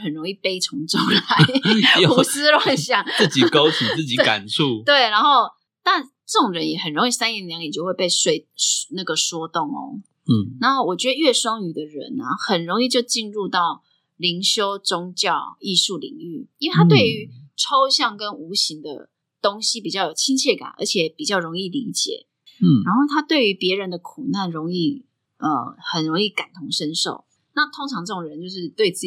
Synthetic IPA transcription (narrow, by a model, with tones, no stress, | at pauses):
xə˨˩nɻo˧˦˥ŋi˥˩pe˥ɪt͡sʰʊ˧˥ŋt͡so˥˩ŋla˨˦ɪ˨u˨˦s̩˥lwa˨˩ŋɕjɑ˥˩ŋɨ˥˩t͡ɕi˨kɑ˦ʊt̪ʰi˨˩t͡sɹ̩˥˨˩t͡ɕi˨˦ka̰˨˩nt͡sʰu˥˨t̪we˥˩ɪna˧˥nxo˥˧ʊ | t̪a˥˩n | ʈ͡ʂə˥˩o˨ŋɻə˦njɛ˨˩xə˨˩nɻo˧˥ŋi˥˩sa˥ni˨˩ljɑ˧˦ŋɛ˨˩jo˥˧xwe˥˧ɪpe˥˩ɪʂwe˥˩ɪna˥˩ɡə˩ʂwɔ˥t̪ʊ˥˩ŋɔ̰˨˦˥ | na˧˦xo˥˩ʊwɔ˨˩t͡ɕɥɛ˧˥d̪ə˧ɥɛ˥˩ʂwɑ˥ŋy˨˩d̪ə˨ɻə̰˧˦nɐ̰˨xə˨˩nɻo˧˥ŋi˥˧t͡ɕjo˥˧ʊt͡ɕi˥˧nɻu˥˧t̪ɑ˥˩ʊ | li˧˥ŋɕjo˥ʊt͡sʊ˥ŋt͡ɕjɑ˥˩ʊi˥˧ʂu˥˩lḭ˨˩ŋy˥˩ĩ˥we˥˩t̪ʰa˥t̪we˥˩ɪy˧˥ʈ͡ʂʰo˥ʊɕjɑ˥˩ŋkə˦nu˧˥ɕi˧˥ŋd̪ə̰˧ | t̪ʊ˥ŋɕi˥pi˨˩t͡ɕjɑ˥˩ʊjo˨˩ʊt͡ɕʰi˥nt͡ɕʰjɛ˥˩ka̰˨˩nʔə̰˞˧˥t͡ɕʰjɛ˨˩pi˨˩t͡ɕjɑ˥˩ʊɻo˧˥ŋi˥˩li˧˥t͡ɕjɛ̰˨˩˦ | ɻa˧˥nxo˥˩ʊt̪ʰa˥t̪we˥˩ɪy˧˥pjɛ˧˥ɻə˧˦nd̪ə˧kʰu˨˩na˥˩nɻʊ˧˥ŋi˥˩ | ə˨˩xə˨˩nɻo˧˥ŋi˥˩ka˨˩nt̪ʰʊ˧˥ŋʂə˥nʂo̰˥˩ʊ | na˥˨t̪ʰʊ˥ŋʈ͡ʂʰɑ˧˥ŋʈ͡ʂɤ˥˩ʈ͡ʂʊ˨˩ŋɻə˧˦nt͡ɕjo˥˧ʊʂɻ̩˥˧t̪we˥˧ɪt͡sɹ̩˥˩